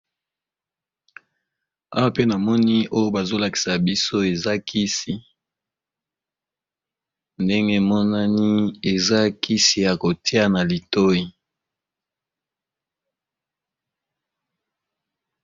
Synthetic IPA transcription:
a̰˦wa˦pe˦na˨mɔ˦ni˦ʔo˦jo˦ba˨zo˦la˨ki̥˨sa˨bi˦so˦e˨za˦kʰi˦si˨ | nde˦ŋɡe˦˨mɔ˦na˦ni˦e˨za˦ki˦si˨ja˨ko˨ti˦a˦na˨li˨to˦i˨

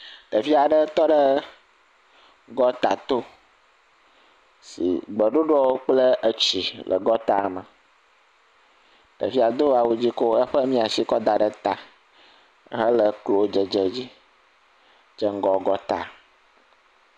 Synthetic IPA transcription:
t̪ə˨fi˦a˨ɖə˦t̪ɔ˦ɖə˦ | ɡɔ˦t̪a̰˨t̪o˦ | sḭ˨ɡ͡bə˨ɖo˦ɖɔ˦wo˦k͡plə˦ə˦t͡ɕi˨lʔə̰˨ɡɔ˦t̪a˦˨mə˨ | t̪ə̰˨fi˦a˨d̪o˦a˨wu˨d͡ʑi˦ko˦ə˦ɸə˦mĩ˦a˨si˦kɔ˦d̪a˨ɖə˨t̪a˨ | ɦə˦lə˨klo˨˦d͡ʒə˨d͡ʒə˨d͡ʑi˦ | d͡ʒə˦ŋ̩˦ɡɔ˨ɡɔ˦t̪a̰˨

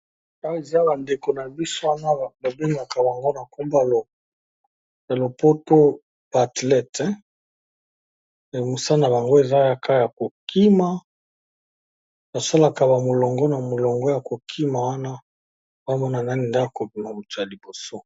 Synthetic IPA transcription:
a˦e˨za˦ba˨nde˨ko˨na˨bi˦so˦wa˦na˦˨ba˨be˦ŋɡa˨ka˨ba˨ŋɡo˦na˨ku˦mba˦lo˨ | ja˨lo˨po˦to˦ | b̥a˨tlɛ˦tɛ˦ | e˨mu˨sa˦na˨ba˨ŋɡo˦e˨za˦ja˦ka˦ja˨ko˨kʰi˦ma˦ | na˨sa˦la˨ka˨ba˨mo˨lɔ˨ŋɡɔ˦na˨mo˨lɔ˨ŋɡɔ˦ja˨ko˨kʰi˦ma˨wa˦na˦ | ba˦mɔ˦na˨na˦ni˨nda˦a˨ko˨bi˨ma˨mu˨tu˨a˨li˨bo˨so˦

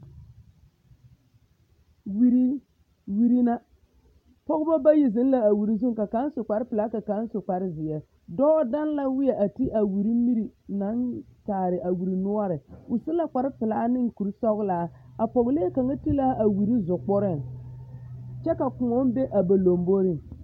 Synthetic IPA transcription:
wi˦ɾi˦ | wi˦ɾi˦na˦ | pɔ˦ɣba˦ba˦ji˨zɪ˨˦n˦la˦a˨wi˨ɾi˦zu˦ŋ˨ka˨ka˨˦n˦sʊ˨k͡pa˨ɾpɪ˨laː˦ka˨ka˨˦n˦sʊ˨k͡pa˨ɾɪ˦zɪ˨jɛ˨ | dɔː˦da˦n˦la˦wɪ˦jɛ˨ʔa˨ti˦ʔa˨wi˨ɾi˦mi˦ɾi˨na˨˦ntaː˨ɾɪ˨ʔa˨wi˨ɾi˨nʊ˦ɔ˦ɾɪ˨ʊ˨sɪ˦la˨k͡pa˨ɾɪ˦pɪ˨laː˦nɪ˦ŋku˨ɾsɔ˦ɣlaː˨˦a˨pɔ˨ɣleː˦ka˨ŋa˦ti˦la˦ʔa˨wi˨ɾi˦zʊ˨k͡pʊ˦ɾɪ˦˨ŋ | t͡ʃɛ˦ka˨kʊ˨ŋɔ˦n˦be˦ʔa˨ba˨lo˨mbo˦ɾɪ˦

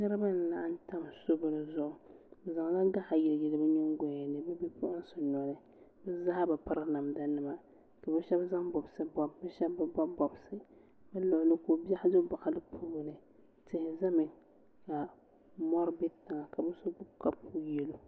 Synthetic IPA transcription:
nɨ˦ɾɨ˦ba˦n˨na˨ʔa˦n˦ta˦m˨so˦bɨ˦nɨ˨zʊ˨ʔʊ˨bɛ˨za˨ŋ˨la˦ɡa˦ʔa˨jɪ˨lɪ˨ɡɛ˨lɨ˦bɛ˦ɲɛ˦ŋ˦ɡʷɛ˦a˨nɨ˦bɛ˦bɛ˦pʊ˦ʔʊ˦n˦sʊ˨nɔ˨nɨ˦ | bɛ˦za˦ha˦ba˨pa˦ɾɨ˦na˨m˨da˦nɨ˦ma˨ | ka˨bɛ˦ʃɛ˦bza˦ŋbɔ˨bsɨ˦bɔ˦bbɛ˦ʃɛ˦bbɨ˦bɔ˦bɔ˨bsɨ˦ | bɛ˦lʊ˨ʔʊ˨lɨ˦ko˨ba˦hɪ˦dʊ˦ba˨ka˨lɨ˦pʰu˦bɨ˨nɨ˨ | tɪ˨hɪ˨za˦mɨ˨ | ka˨ | mɔ˦ɾbɛ˦tɪ˨ŋa˨ka˨bɛ˦so˦bʊ˦ka˦pu˦jɛ˦lo˦

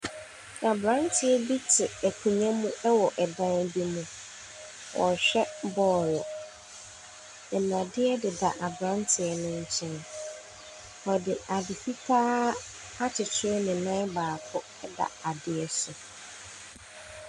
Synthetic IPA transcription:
ʔa˨bɾã˦ntʰɪ˨ɛ˦bi˦tʰɪ˨ɛ˨kʰũ˨ɲã˦mũ˦ɛ˦wɔ˨ʔɛ˨dã˦n˦bi˦mũ˨ | wʔɔ̰˨ɕᶣɛ˦bɔː˦ɾɔ˨ | ɪ˨nã˨dɪ˦ɛ˦dɪ˨da̰˨ʔa˨bɾã˦ntʰɪ˨ɛ˨nʊ̃˦ɲ̩˦t͡ɕʰɛ̃˦n | ɔ˨dɪ˨a˨dɪ˨fi˦tʰaː˦ | a˦tʰɪ˨tʰɪ˦ɛ˦nɪ̃˨nã˦baː˨kʰʊ˦ | ɛ˦da̰˨a˨dɪ˨ɛ˦sʊ˨

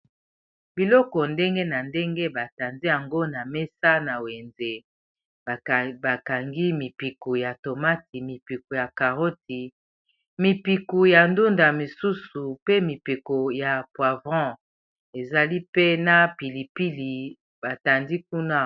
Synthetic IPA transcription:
bi˨lɔ˦kɔ˨nde˦ŋɡe˦na˨nde˦ŋɡe˦ba˨ta˨ndi˦ja˨ŋɡo˦na˨me˦sa˦na˨we˨nze˨ | ba˨ka˨ŋɡi˦mi˨pi˨ku˨ja˨to˨ma˦ti˨mi˨pi˨ku˨ja˨ka˨ʁo˦ti˨ | mi˨pi˨ku˨ja˨ndu˦nda˨mi˨su˦su˨pe˦mi˨pi˨ko˨ja˨pwa˨vɑ̃˦ | e˨za˨li˦pe˦na˦pi˨li˨pi˦li˨ | ba˨ta˨ndi˦k̚u˦na˦

